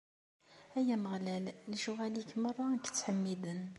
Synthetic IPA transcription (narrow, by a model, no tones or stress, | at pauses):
æjæməʁlælliʃuʁælikmərˤːɑkə̥t͡sːħəmːid̪ən